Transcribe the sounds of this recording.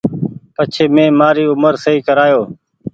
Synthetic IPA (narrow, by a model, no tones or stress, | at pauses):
pət͡ʃʰeːmẽːmaːɾiːʊməɾsəɦiːkəɾaːjoː